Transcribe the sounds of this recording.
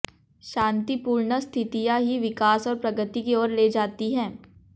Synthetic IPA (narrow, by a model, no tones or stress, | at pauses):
ʃãːnt̪ipuːɾɳəst̪ʰɪt̪ijaɦiʋɪkaːsɔːɾpɾɐɡət̪ikeɔːɾleːd͡ʒaːt̪iɦɛ̃ː